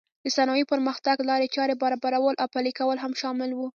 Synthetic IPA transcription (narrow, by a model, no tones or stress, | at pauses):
d̪̥əsanɑjipəɾməxt̪aɡlɑɾet͡ʃɑɾebaɾɑbaɾawəlʔawpalikawəlɦamʃɑmɪlwu